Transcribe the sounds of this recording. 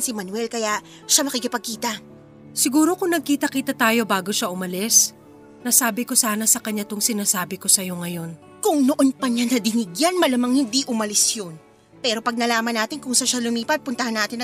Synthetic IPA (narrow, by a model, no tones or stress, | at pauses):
nsimɐnwɛlkɐjaʔ | ʃamɐkɪkɪpɐɡ̚kiːt̪ɐ | sɪɡuːɾo̞kʊŋnɐɡ̚kiːt̪ɐkiːt̪ɐt̪aːjo̞baːɡo̞ʃaʔʊmɐlɛs | nɐsaːbɪko̞saːnɐsɐkɐɲːat̪oŋsɪnaːsaːbɪko̞sɐjo̞ŋɐjo̞n | kʊŋnoʔo̞npɐɲanɐd̪ɪnɪɡjɐnmɐlɐmɐŋhɪnd̪iʔʊmɐlɪsjon | pɛɾo̞pɐɡ̚nɐlaːmɐnːaːt̪ɪnkʊŋsaʃalʊmiːpɐt̪̚pʊnt̪ɐhanːaːt̪ɪn